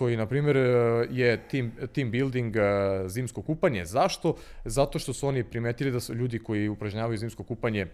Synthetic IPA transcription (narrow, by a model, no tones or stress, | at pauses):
kojinapɾiːme̞ɾjet̪imt̪imbild̪iŋɡzimsko̞kuːpaɲe̞zaʃt̪o̞zat̪oʃt̪o̞suo̞nipɾimeːt̪ilid̪asuʎuːd̪iko̞jiupɾaʒɲaːʋajuziːmsko̞kuːpaɲe